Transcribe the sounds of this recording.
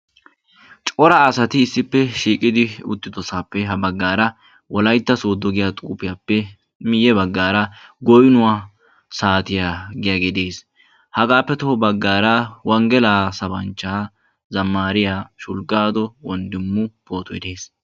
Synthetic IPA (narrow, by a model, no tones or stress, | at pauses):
t͡ʃʼɔɾɐːsɐt̪ɪːsːɪpːɛʃiːkʼɪd̪ɪʊ̰t̪ːɪd̪ɔsaːpːɛɦɐbɐɡːaːɾɐ | wɔlɐjt̪ːɐsoːd̪ːɔɡɪjat̪ʼuːpɪjaːpːɛ | mɪjːɛbɐɡːaːɾɐɡɔjnʊwaː | saːt̪ɪjaːɡɪjaɡɛd̪eːs | hɐɡaːpːɛt̪ɔbɐɡːaːɾɐwɐŋɡɛlaːsɐbɐnt͡ʃːaː | zɐmːaːɾɪjaːʃʊlɡaːd̪ɔwɔnd̪ɪmːʊpoːt̪ɔɪd̪e̞ːs